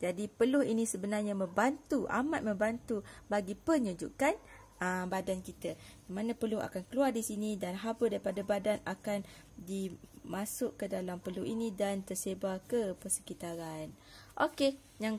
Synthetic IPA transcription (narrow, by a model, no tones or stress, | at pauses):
d͡ʒadipəlʊhinĩsəbənarɲamə̃mbant̪uʔa̰mat̪̚mə̃mbant̪ubaɡipəɲud͡ʒṵʔkan | əbadankit̪əjamanãpəlʊɦa̰kankəluardisinĩdanɦabədaɾipadabadanakan | dimãsʊʔkːədalampəluhinĩdant̪ərsebakəpərsə̥kit̪aɾan | ʔoke | jaŋ